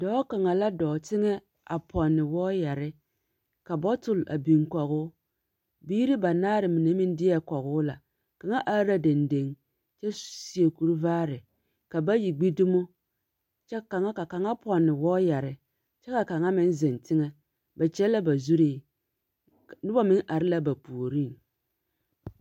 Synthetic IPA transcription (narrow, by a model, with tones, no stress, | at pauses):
dɔː˨˦ka˨ŋa˨la˦dɔː˨tɪ˦ŋɛ˦ | a̰˨pʰɔ˨nːɪ˨wɔː˦ja˨ɾɪ˦ | ka˨bɔ˦tʊ˨la̰˨bi˨ŋkɔ˨ɣʊ˦ | biː˦ɾi˦ba˨naː˦ɾɪ˨mi˨ne˦mɪ˦n˦dɪ˦a˨kɔ˨ɣʊː˦la̰˨ | ka˨ŋa˦ʔa˦ɾa˦de˨nde˨˦ŋ | t͡ʃɛ˦si˨e˨ku˨ɾu˦vaː˦ɾɪ˨ | ka˨ba˦ji˨ɡ͡bi˦du˦mo˦ | t͡ʃɛ˦ka˨ŋa˦ka˨ka˨ŋa˦pɔ˨nːɪ˨wɔː˦ja˨ɾɪ˨ | t͡ʃɛ˦ka˨ka˨ŋa˦mɪ˦n˦zɪ˨ntɪ˦ŋɛ˦ | ba˨t͡ʃɛ˦lːa˦ba˨zu˦ɾiː˦ | nʊ˦ba˦mɪ˦ŋʔa˨ɾɪ˦la˦ba˨pu˨ɾi˦˨n